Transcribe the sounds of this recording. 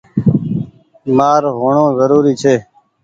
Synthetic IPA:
maːɾɦoːɳõːzəɾuːɾiːt͡ʃʰeː

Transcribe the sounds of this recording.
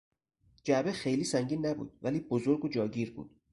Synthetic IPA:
d͡ʒæbexe̞jliːsæŋɟiːnːæbṵːd̪̥̚væliːbozoɾɡod͡ʒɒːɟiːɾbṵːd̪̥

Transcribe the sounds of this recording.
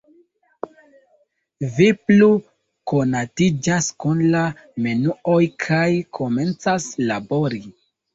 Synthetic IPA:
viplu | ko̞natid͡ʒaskunla | menuo̞jkʰajkʰo̞me̞nt͡saslabo̞ɾi

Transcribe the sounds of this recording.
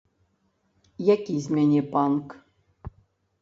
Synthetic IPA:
jakʲizʲmʲɛnʲepank

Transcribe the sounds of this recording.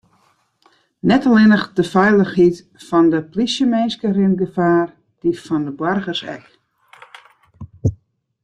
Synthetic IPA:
nɛtalɪnəχdəfɛjlˠəxhit | fɔndəplisjəmɛnskərɪnɡəfaːr | d̥ifɔndəbwarɣərsɛ̰k

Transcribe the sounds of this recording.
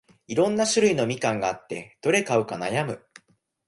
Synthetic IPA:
iɾõ̞nːaɕɨɾɯ̟ino̞mʲikãŋɡaːt̪ːe̞d̪̥o̞ɾe̞kaɯ̟kanajamɯ̟

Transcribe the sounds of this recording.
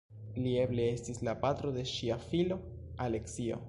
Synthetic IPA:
lie̞ble̞estislapat̪ɾo̞d̪e̞ʃiafilo̞ | ale̞ksio̰

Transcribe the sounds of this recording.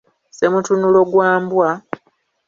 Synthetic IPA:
semutunulo̞ɡwaːmbwa

